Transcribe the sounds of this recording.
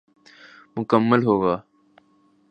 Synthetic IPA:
mʊkəmːəlɦoːɡaː

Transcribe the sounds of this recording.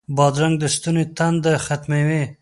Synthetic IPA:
bɑd̪ɾaŋɡ̚d̪əst̪unet̪and̪əxat̪mewe

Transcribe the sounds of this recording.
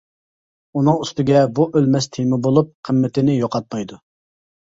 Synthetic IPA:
unɨŋyst̪ɪɡʲɛbuʔølmɛst̪ʰemɪbolˠup̚qʰəmːɪt̪ɪnɪjoqɑt̪̚mɑjd̪u

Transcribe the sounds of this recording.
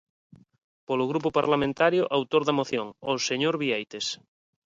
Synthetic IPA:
polʊɣɾupʊpaɾlamẽnt̪aɾjʊʔawt̪oɾðamoθjoŋoseɲoɾβiejt̪es

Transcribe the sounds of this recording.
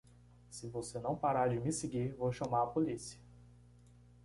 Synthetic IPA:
sɪvosenɐ̃w̃paɾaɾd͡ʒɪmɪseɡiɾvowʃɐmaɾɐpolisiɐ

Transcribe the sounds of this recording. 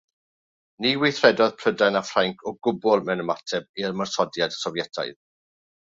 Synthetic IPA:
niwɪθrɛdɔðpʰr̥ədanafraŋkʰɔɡʊbɔlˠmɛnəmatʰɛbirmarsɔdjadsɔvjɛtʰa̰ɨð

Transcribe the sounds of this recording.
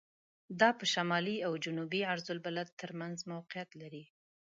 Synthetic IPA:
d̪ɑpəʃamɑliawd͡ʒʊnubiaɾzʊlbalad̪̚əɾmanzmawqɪjat̪laɾi

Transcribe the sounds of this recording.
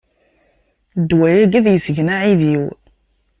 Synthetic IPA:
d̪wæjæɡæðjəsəʝnaʕiðiw

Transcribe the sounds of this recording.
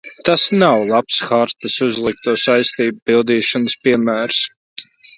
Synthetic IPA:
t̪asnawlˠapsxaɾt̪əsuzlˠik̚t̪uɔsajst̪iːbpilˠd̪iːʃɔnəspiɛmæːɾs

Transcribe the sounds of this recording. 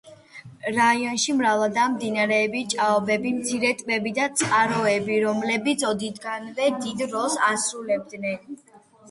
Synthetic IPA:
ɾaiɔnʃimɾavad̪amd̪inaɾɛːbit͡ʃʼaɔbɛbimt̪sʰiɾɛt̪ʼbɛbid̪at̪sʼqʼaɾɔɛbiɾɔmlɛbit̪sʰɔd̪id̪ɡanvɛd̪id̪ɾɔsasɾulɛb̚d̪nɛn

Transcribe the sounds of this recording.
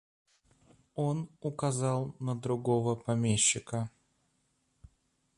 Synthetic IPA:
onʊkɐzɑlˠnəd̪ɾʊɡo̞vəpɐmʲeɕːɪkə

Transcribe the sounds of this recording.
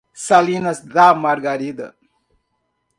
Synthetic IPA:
salinɐsdaːmaɾɡaɾid̪ɐ̰

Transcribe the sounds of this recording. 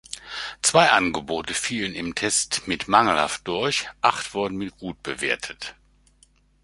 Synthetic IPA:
t͡sv̥aɪʔanɡəboːtəfiːlənɪmtʰɛstmɪtmaŋl̩ha̰ft̚d̥ʊɐçʔaχtv̥ʊɐdn̩mɪt̚ɡ̥uːt̚b̥əveːɐtʰət

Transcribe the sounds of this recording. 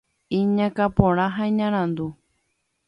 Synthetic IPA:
ĩɲãkapõɾ̃ãɦaĩɲãɾ̃ãnd̪u

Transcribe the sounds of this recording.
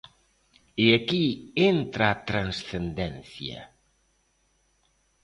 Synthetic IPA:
eakient̪ɾaːt̪ɾansθend̪ɛnθjɐ̰

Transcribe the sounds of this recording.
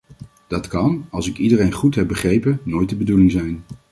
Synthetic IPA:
d̥ɑtkɑnɑlˠsɪkidərejnχutɦɛp̚bəχrejpənojt̚dəbədulɪŋzɛjn

